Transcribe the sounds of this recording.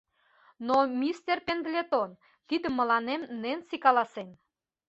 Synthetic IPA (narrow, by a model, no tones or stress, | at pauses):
nomʲist̪erpend̪lʲet̪on | t̪id̪ə̆mə̆lɑnemnensikɑlɑsen